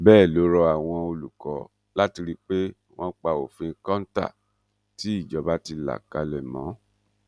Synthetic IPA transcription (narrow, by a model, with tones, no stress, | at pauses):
bɛː˦˨lo˨˦ɾɔ˧a˨w̃ɔ̃˧o˧lu˨kɔ˨˦ | la˦ti˧ɾi˧k͡pe˦ | w̃ɔ̃˦k͡pa˧o̰˨fĩ˧kɔ̃˦n̩˦ta̰˦˨ | ti˨˦i˦˨d͡ʒɔ˨˧˦ba˦ti˧la̰˨ka˧lɛ˨mɔ̃˨˦